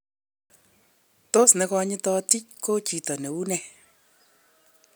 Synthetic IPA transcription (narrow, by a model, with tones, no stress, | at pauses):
to˦sne˨˧kɔ˧ɲɪ˦tɔ˧ti˦ko˦t͡ʃi˨tɔ˨ne˨u˦nɛ˧˨